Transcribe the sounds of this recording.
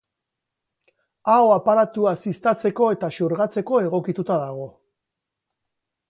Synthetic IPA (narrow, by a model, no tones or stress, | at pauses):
awapaɾat̪uasist̪at͡se̞ko̞e̞t̪asuɾɣat͡se̞ko̞e̞ɣ̞o̞kit̪ut̪aðaɣ̞o̞